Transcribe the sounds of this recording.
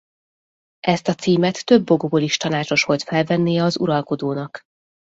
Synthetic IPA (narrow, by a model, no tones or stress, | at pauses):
ʔɛst̪ɒt̪siːmɛt̪ːø̞bːo̞ɡoboliʃt̪ɒnaːt͡ʃo̞ʃʋo̞lt̪fɛlvɛnːijɛɒzṵɾɒlko̞d̪oːnɒk